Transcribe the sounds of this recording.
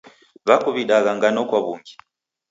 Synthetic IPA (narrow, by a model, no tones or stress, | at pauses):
βakuβiɗaɣaŋɡanɔkwaβuŋɡi